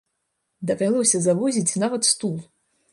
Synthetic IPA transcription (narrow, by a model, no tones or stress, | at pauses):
d̪ɐvʲalˠɔsʲɐzavɔzʲit͡sʲnavɐt̪st̪ulˠ